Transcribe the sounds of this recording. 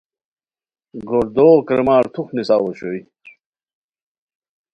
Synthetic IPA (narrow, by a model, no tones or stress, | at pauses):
ɡoɾd̪oːkɾemaːɾt̪ʰuxnisaːwoɕoi